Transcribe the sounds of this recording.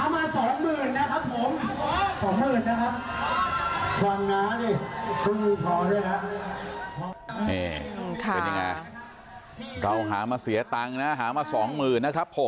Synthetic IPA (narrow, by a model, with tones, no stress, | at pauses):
a˩˧˦maː˧sɔː˩˦ŋmɯː˨˩nːa˦˥kʰa˦˥pʰːo˨˩˦msɔː˨˩˦ŋmɯː˨˩nːa˦˥kʰa˦˥p̚ | kʰa˧ŋːaː˦˥ni˧˩kʰɯ˦˥uː˧pʰɔː˧˩ɾu˥˩ka˦˥˦ | ʔeː˧˩pe˧nja˧ŋa̰˧j | ɾa˧wɦa̰ː˩˦maː˧si˨˩˦ɐt̪aː˧ŋna˦˥ɦaː˩˦maː˧sɔː˩˦ŋmɯː˨˩nːa˦˥kʰɾa˦˥pʰːo˨˩˦m